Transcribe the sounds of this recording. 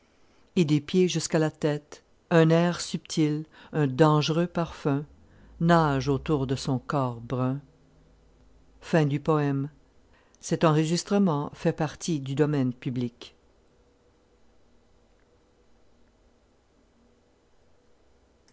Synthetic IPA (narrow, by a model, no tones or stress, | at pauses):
ed̪epjeʒyskalat̪ɛt̪ | ɛ̃nɛʁsypt̪ʰilœ̃d̪ɑ̃ʒʁøpaʁfɛ̃ | naʒot̪uʁd̪əsɔ̃kɔːʁbʁœ̃ | fɛ̃d̪ypɔɛm | sɛt̪ɑ̃ʁəʒist̪χəmɑ̃fɛpaʁt̪ʰid̪yd̪ɔmɛnpyblik